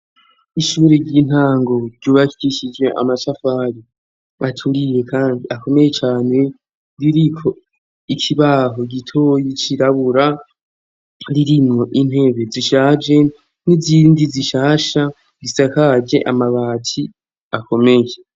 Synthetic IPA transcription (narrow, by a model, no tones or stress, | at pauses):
iʃuːɾeɾɟiːn̥haːŋɡo̞ɾɟ̥uːβaki̥ɡiʃid͡ʒwe̞ʔa̰maʃafaːɾi | atʰuɾije̞kaːndiʔako̞me̞je̞t͡ʃaːne̞ | ɾiɾikʰo̞ | ikʰiβaːɦo̞ɡitʰo̞ːjit͡ʃiɾaβuɾa | ɾiɾimŋo̞ʔin̥he̞βe̞ziʃaːd͡ʒe̞ | niziːndiziʃaːʃa | zisakad͡ʒe̞ʔa̰maβaːtʰi | ako̞me̞je